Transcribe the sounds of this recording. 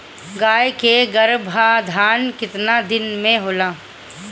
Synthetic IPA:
ɡaːjkeɡəɾbʱad̪ʱaːnkɪt̪nad̪ɪnmẽɦoːlaː

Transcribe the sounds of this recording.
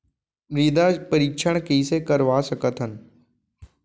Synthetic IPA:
mɾiːd̪apəɾiːkʃʰəɽ̃kiisekəɾʋaːsəkət̪ɦən

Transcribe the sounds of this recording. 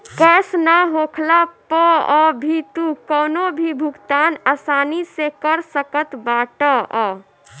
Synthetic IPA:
kɛsnaɦoːkʰlapəɔbʱit̪ukɔːnobʱibʱʊkt̪aːnasaːnisekəɾsəkət̪baːʈəʔɔ

